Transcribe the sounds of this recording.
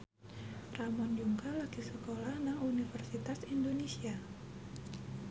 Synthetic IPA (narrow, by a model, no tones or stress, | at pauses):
ramɔnd͡ʒuŋkalaɡisəkolahnaŋunifərsit̪asindonesia